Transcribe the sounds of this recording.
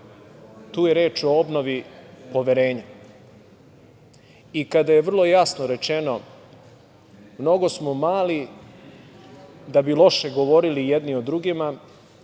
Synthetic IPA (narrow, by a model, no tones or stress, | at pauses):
t̪uːjeɾeːt͡ʃo̞obno̞ʋipo̞ʋeɾe̞ːɲa | ikad̪aje̞ʋr̩lˠo̞jasnoɾe̞t͡ʃe̞no̞ | mno̞ɡo̞smo̞maːli | d̪abilˠo̞ʃeɡo̞ʋo̞ɾilijed̪nio̞d̪ɾuɡima